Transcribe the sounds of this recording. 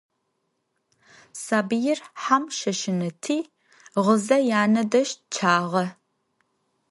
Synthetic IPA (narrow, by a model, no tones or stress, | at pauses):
saːbɨjɪrħamʃɐʃɪnɐtʰiː | ʁəzɐjaːnɐdɐʃt̚t͡ʃʰaːʁɐ